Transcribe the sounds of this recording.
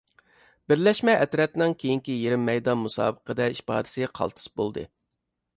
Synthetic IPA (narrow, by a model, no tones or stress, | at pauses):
bɪɾlɛʃmɛʔɛt̪ɾɛt̪nɪŋkʲʰejiŋkʲijeɾɪmːɛjd̪ɑnmusɑ̰ːbəqəd̪ɛipɑ̰ːd̪ɪ̥sɨqʰɑ̰lˠt̪ʰɨ̥sbo̰lˠd̪ɨ̰